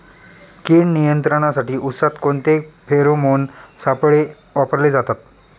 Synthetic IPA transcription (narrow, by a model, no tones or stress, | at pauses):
kiːɳnijənt̪ɾəɽ̃asaʈiːʔut̪sat̪koɳt̪epʰeɾomonsapɭe | ʋapəɾled͡zat̪at̪̚